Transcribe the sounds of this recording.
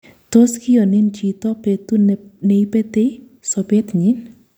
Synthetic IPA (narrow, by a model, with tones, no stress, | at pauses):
t̪o˦skɪ˦jɔ˨nɪ˦nt͡ʃi˨t̪ɔ˦pet̪u˦ne˨i˦pe˦t̪e˦ | sɔ˨be˦t̪ɲɪ˦n